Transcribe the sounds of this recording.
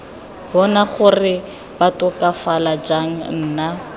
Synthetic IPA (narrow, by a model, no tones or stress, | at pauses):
bɔnaχʊrɪ | b̥atʼʊkʼafalad͡ʒaŋ̩n̩ːna